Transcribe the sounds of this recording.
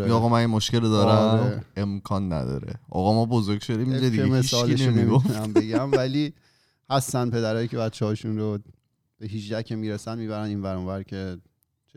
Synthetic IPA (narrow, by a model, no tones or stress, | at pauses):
ɣɔmænjemoʃce̞led̪ɒːɾæeemkʰɒːnːæ̰d̪ɒ̰ːɾḛʔɒ̰ɣɒmɒːbozoɾɡ̥ʲʃod̪imɾed̪ieemeisɒːlieʃnmneimiɡofnæmbe̞ɟæmvæliː | hæst̪ænd̪̚pʰe̞d̪æɾɒːjicʰe̞bætt͡ʃːehɒːʃunɾo | b̥e̞ɦiːʃd̪æcʰemiːɾesænmiːβæɾæniːnvæɾonvæɾcʰe̞ | t͡ʃʰ